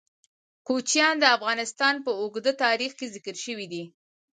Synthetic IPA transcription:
kot͡ʃjɑnd̪əafɣɑnɪst̪ɑnpəoɡd̪ət̪ɑɾixkezɪkəɾʃəwid̪i

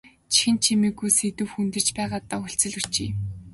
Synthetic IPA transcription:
t͡ɕʰi̥xɘ̆nt͡ɕʰimiːɡujset̪ɘ̆wxunt̪ɘ̆t͡ɕpæːʁaːt̪aːuɬt͡sɘ̆ɮɵrt͡ɕḭː

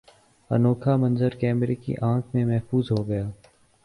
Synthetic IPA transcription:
ɐ̰noːkʰamɐ̃nzəɾkɛːmɾekḭʔãːkʰmẽmɛɦfuːzɦoɡɐjaː

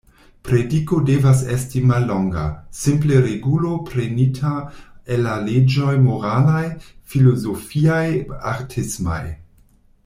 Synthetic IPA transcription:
pɾediko̞de̞vas̬estimalːoŋɡa̰simple̞ɾeɡulo̞pɾe̞nitʰaelːaled͡ʒo̞jmoɾalajfilozofiajaɾtʰisma̰j

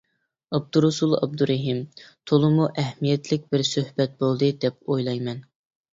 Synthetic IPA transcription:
ɑb̚d̪uɾusulˠɑ̰b̚d̪uɾɛɦimt̪ʰolˠɨmuʔɛhmijɛt̪lɪk̚ʲbɪɾsøhbɛt̪̚bolˠd̪ɨd̪ɛpojlˠɑjmɛn

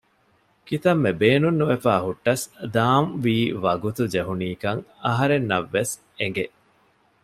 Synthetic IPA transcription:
kit̪ɐmːebeːnunːuʋefaːɦuʈːɐsd̪aːmʋiːʋɐɡut̪ud͡ʒeɦuniːkɐŋɐɦɐɾenːɐʋːes | eŋɡe

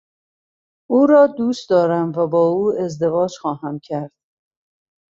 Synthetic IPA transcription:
uːɾɒːd̪uːst̪d̪ɒːɾæmvæbɒːuːe̞zd̪e̞vɒːd͡ʒxɒːɦæmcʰæɾd̪̥̚

